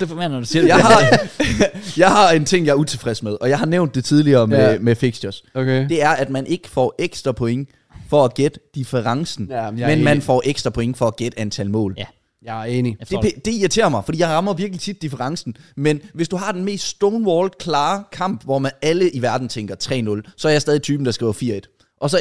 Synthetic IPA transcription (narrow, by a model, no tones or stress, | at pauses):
d̥efɒmend̥usijɑɪhɑ̈ | jɑ̈ɪɦɑ̈e̝nt͡sʰe̝ŋ̰jɑ̈ɪɐut͡sʰe̝fʁɛsmeðˠɒ̽jɑ̈ɪhɑ̈neʊnd̥ːe̝t͡sʰið̞ˠliɐːmemefeɡ̥sɒsʰed̥e̝æɐʔæd̥mænʔe̝ɡ̥ə̥fɒ̰ːʔeɡ̥sd̥ʁɐpʰɔ̽eŋ | fɒ̽æɡ̥ed̥əd̥ifəʁɑ̈ŋsn̩menmænfɒ̰ːʔeɡ̥sd̥ʁɐpʰɔ̽eŋəfɒ̽æɡ̥ed̥əænt͡sʰælmɔ̰̽ːl | eːnid̥epʰed̥e̝iɐt͡sʰe̝̰ːɐmɑ̈ɪfɒ̽d̥ḭjɑ̈ɪʁɑ̈mɐʋiɐɡ̥lit͡sʰid̥ːifəʁɑ̈ŋsn̩menʋe̝sd̥uɦɑ̈d̥enme̝̰ːsd̥sd̥oʊnʋɒːld̥kʰlɑ̈ːkʰɑ̈m̰b̥ʋɒmænæləʔiʋæɐd̥n̩t͡sʰeŋɡ̥ɐt͡sʰʁɛ̰ːnɔ̽lsɒ̽ɐjɑ̈sdɛːðˠit͡sʰyːb̥n̩d̥ɑsɡ̥ʁḭːʊɐfiɐe̝d̥ | ʔɒ̽sɒ̽